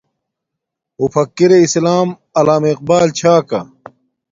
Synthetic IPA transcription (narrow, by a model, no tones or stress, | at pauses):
mufɐkːiɾeislaːm | ɐlaːmiq̚baːlt͡ɕʰaːkɐ̰